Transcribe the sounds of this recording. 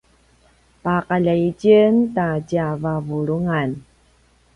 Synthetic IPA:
paqaʎaiɟəntaɟavavuɾuŋan

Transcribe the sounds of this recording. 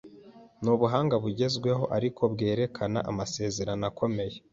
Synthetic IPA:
nuβuɦaːŋɡaβuɟe̞zɡwe̞ɦo̞ʔaɾikʰo̞bɡe̞ːɾe̞kʰana̰ʔamase̞ːze̞ɾanakʰo̞me̞je

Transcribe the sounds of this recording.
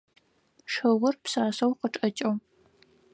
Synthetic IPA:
ʂɐwʊrpsaːsɐwqəʈ͡ʂʼɐt͡ʃʼɐw

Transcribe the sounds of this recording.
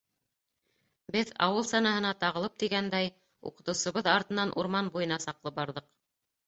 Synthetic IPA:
bɘðɑ̰wɤlˠsɑnɑhɤ̆nɑt̪ɑʁɤ̆lˠɤp̚t̪iɡænd̪æj | ṵqɤ̆t̪ɤ̆wsɤ̆βɤðɑɾt̪ɤ̆nɑnʔuɾmɑnbujɤ̆nɑsɑqlˠɤp̚bɑɾðɤq

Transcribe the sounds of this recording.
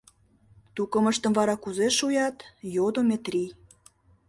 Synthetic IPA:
t̪ukəməʃt̪ə̆mvɑɾɑkuzeʃujɑt̪jod̪omʲet̪rʲi

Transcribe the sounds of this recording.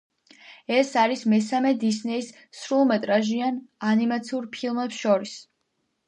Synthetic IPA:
ɛsaɾismɛsamɛd̪isnɛisː | ɾulˠmɛt̪ʼɾaʒiananimat̪sʰiuɾpʰilˠmɛpsʃɔɾis

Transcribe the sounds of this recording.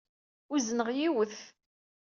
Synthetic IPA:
ʊzənəʁjiwəθ

